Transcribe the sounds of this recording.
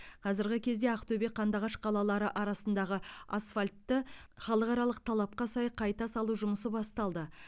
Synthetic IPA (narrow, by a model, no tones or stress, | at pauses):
qʰɑzɪɾɡʲɪkʲʰe̞zd̪e̞ɑqt̪obeqʰɑnd̪ɑʁɑʃqʰɑlˠɑlˠɑɾəʔɑɾɑsənd̪ɑʁəasfalʲt̪ːəχɑlˠəqɑɾɑlˠəqt̪ʰɑlˠɑp̚qɑsɑjqʰɑjt̪ɑsɑlˠuʒʊməsəbɑst̪ɑlˠd̪ə